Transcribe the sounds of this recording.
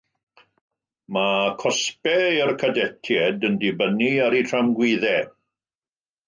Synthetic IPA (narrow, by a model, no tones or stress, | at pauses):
makʰɔspɛərkʰadɛtʰjɛdəndɪbəniaɾitʰramɡwiðɛ